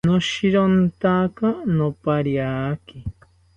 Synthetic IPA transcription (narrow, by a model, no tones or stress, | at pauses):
noʃiɾont̪akanopaɾjaki